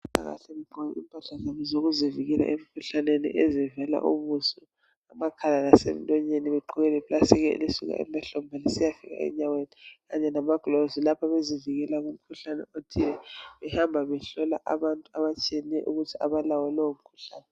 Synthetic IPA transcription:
ta̰ɣa̰ɬɛliǃɔjiḭmpʼaɬazamɛzoɣuziviɣɛla̰ʔemikʰuɬanenḭʔɛzivɛla̰ʔṵmusɔ | amakʰalanasḛm̩lʼɔɲeniβɛǃʰuɣɛlɛβlasɛɣ̬ɛ̰lisuɣa̰ʔɛ̰mbaɬɔmbʱanisijafiɣa̰ɛ̰ɲaweniɣaɲɛnamaɡ̥lozilapʰaβeziviɣɛlaɣum̩kʰuɬanɛ̰otʰilɛβɛhambʱaβɛɬɔla̰ʔaβantʼuaβat͡ʃʼieniɛʔuɣutʰiaβalawɛlɔwom̩kʰu̥ɬa̰ːnɛ

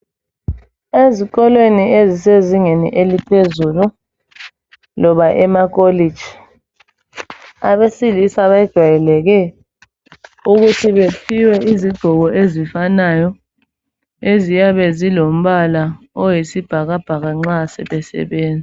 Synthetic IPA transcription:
eziɣɔlwenieziseziŋenḭʔelipʰezulu | lɔβaʔɛmak̬ʼolid̥ʒ̥ʱi | a̰βesilisaβajid̥ʒ̥ʱwajɛlɛɣɛ | uɣutʰiβepʰiwɛiziɡ͡ǃʱɔɣɔʔezifanajɔ | ezijaβɛzilom̩βala | ɔjisib̥ʱaɣab̥ʱaɣaŋ͡ǁasɛ̰βɛsɛ̰βeːnd͡zʱi

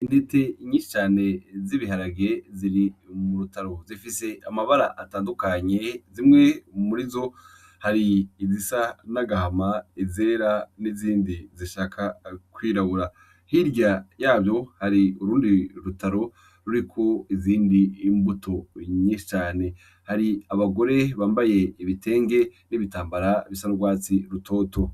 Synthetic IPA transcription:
indeteɲiːʃi̥t͡ʃaːne̞ziβiɦaɾaɡe̞ziɾimuɾutaɾo̞zifise̞amaβaɾa̰ʔataːndukaɲe̞zimŋe̞muɾizo̞ | haɾiːzisanaɡahamaize̞ːɾaniziːndiziʃaːkʰakwiːɾaβuɾa | hiɾɟajaːbjo̞haɾiuɾuːndiɾutaɾo̞ | ɾuɾikʰo̞iziːndiːmbuto̞ɲiːʃi̥t͡ʃaːne̞ | haɾiaβaɡo̞ɾe̞βaːmbaje̞iβite̞ːŋɡe̞niβitaːmbaɾaβisanuɡwaːt͡siɾutʰo̞ːto̞

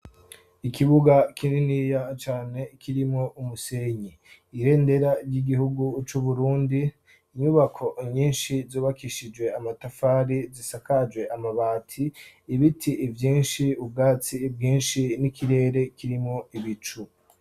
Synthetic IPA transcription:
ikʰiβuɡakʰininijat͡ʃaːne̞kʰiɾimŋoʔumuse̞ɲiː | ɾe̞ːnde̞ɾaɾɟiɡihuɡut͡ʃuβuɾuːndiː | ɲuβakʰo̞ʔɲiːnʃizuːβakiʃid͡ʒwe̞amatafaːɾizisakad͡ʒwe̞ʔamaβaːtʰiːβitʰiːvjiːnʃiub̚ɡaːt͡sibɡiːnʃinikiɾe̞ːɾe̞kiɾimŋo̞iβit͡ʃu

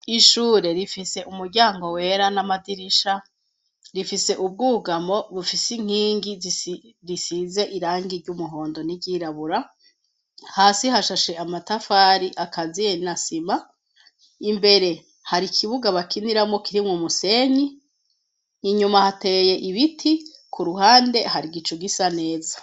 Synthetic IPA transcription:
iʃuːɾe̞ɾifise̞ʔumuɾɟaːŋɡo̞we̞ɾanamadiɾiʃa | ɾifise̞ʔub̚ɡuːɡamo̞βufisiŋ̥iːŋɡiz | ɾisize̞ʔiɾaːŋɡiɾɟumuɦo̞ːndo̞niɟiɾaβuɾa | haːsiɦaʃaʃe̞amatafaɾiʔakazijenasima | imbe̞ɾe̞ | haɾikʰiβuɡaβakiniɾamŋo̞kiɾimŋumuse̞ɲi | ɲumahate̞je̞ʔiβitʰikʰuɾuɦaːnde̞ɦaɾiɡit͡ʃuɡisane̞ːza

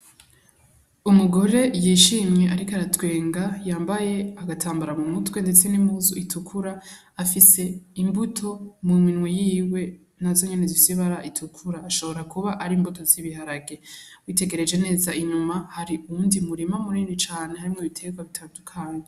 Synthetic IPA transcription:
umuɡo̞ɾe̞jiːʃiːmɲe̞ʔaɾikaɾatwe̞ːŋɡajaːmbaje̞aɡatʰaːmbaɾamumutwe̞nde̞t͡se̞nimhuːzuitʰukʰuɾaː | fise̞imbutʰo̞muminŋwejiːwe̞ | nazo̞ɲe̞ne̞zifisiβaɾaʔitʰukʰuɾaːʃo̞βo̞ɾakuβaʔaɾiːmbuto̞ziβihaɾaɡe̞wiːte̞ɡe̞ɾe̞d͡ʒe̞ne̞ːzaʔiɲumahaɾiuuːndimuɾimamuɾiːndit͡ʃaːne̞haɾimŋoiβitʰe̞ɡwaβitʰaːndukʰaːne

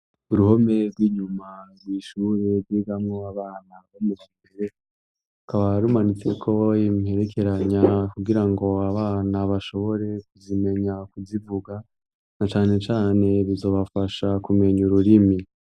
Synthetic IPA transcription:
uɾuho̞me̞ɾɡwiːɲumaɾwiʃuɾeɾɡwiɡamŋoaβaːnaβomuzimbeɾe̞ | ukaβaɾumanit͡se̞kʰo̞jimihe̞ɾe̞kʰe̞ɾaɲakuɡiɾaŋɡo̞aβaːnaβaʃo̞βo̞ɾe̞kuzime̞ɲakuzivuɡa | nat͡ʃaːne̞t͡ʃaːne̞βizo̞ːβafaʃakume̞ɲuɾuɾimi

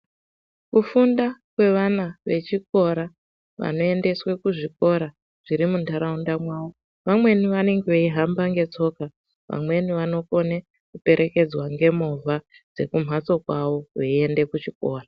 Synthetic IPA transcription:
kufundakwe̞ʋanaʋe̞t͡ʃik̚o̞ɾa | ʋa̰no̞e̞nde̞swekuʐiko̞ɾa | ʐ̥iɾimundʱaɾaundamwaːo | ʋamwe̞niʋane̞ŋɡeʋeiɦambaŋɡe̞t͡so̞ka | ʋa̰mwe̞niʋano̞ko̞ne | kupe̞ɾʔe̞ke̞d͡zwaŋɡe̞movʱa | d͡ze̞kum̤at͡so̞kwaʋo̞ʋeie̞nde̞kut͡ʃiko̞ːra

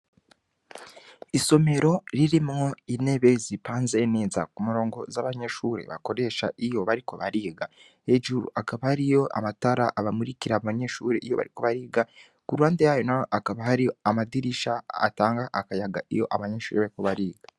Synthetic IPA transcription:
iso̞me̞ɾo̞ɾiɾimŋo̞ine̞βe̞zipaːnzeneːza̰kumuɾo̞ːŋɡo̞zaβaɲe̞ʃuːɾe̞̰βa̰ko̞ɾe̞ʃaijo̞βaɾiko̞βaɾiːɡa | he̞ʒuɾṵʔakaβahaɾijo̞ʔa̰mataɾaʔːβamuɾiciɾaβaɲe̞ʃuːɾeʔijo̞βa̰ɾiko̞βaɾiːɡa | kuɾwaːndejaːjo̞najoʔakaβahaɾijoamadiɾiʃa̰ːtaːŋɡaʔakajaɡaijo̞ʔaβaɲe̞ːʃuːɾeβaɾiko̞βaɾiːɡa

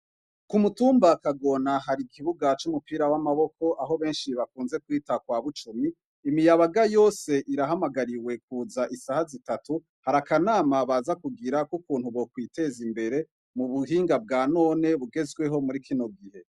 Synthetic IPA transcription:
kumutuːmbakaɡo̞naɦaɾikʰiβuɡat͡ʃumupiːɾawamaβo̞ko̞ʔaɦo̞βe̞ːnʃiβakuːnze̞kwiːtakwaːβut͡ʃumiː | mijaβaɡajo̞ːse̞ʔiɾaɦamaɡaɾiwe̞k̚uːzaʔisahazitatu | haɾakanaːmaβazakuɡiɾakukuːnhuβo̞kwiːte̞zimbe̞ɾe̞ | muβuɦiːŋɡab̚ɡaːno̞ːne̞βuɡe̞zɡwe̞ɦo̞muɾikʰino̞ɡihe̞

